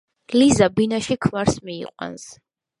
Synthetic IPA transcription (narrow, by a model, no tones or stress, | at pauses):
lizabinaʃikʰvaɾsmḭːqʼwa̰ns